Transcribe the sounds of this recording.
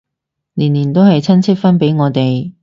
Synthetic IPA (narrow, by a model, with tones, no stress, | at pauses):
niː˨˩nliː˨˩nt̪o˥whɐ˨jt͡sʰɐ˥nt͡sʰɪ˥k̚fɐ˥npe˨˥jŋɔː˨˧t̪e˨j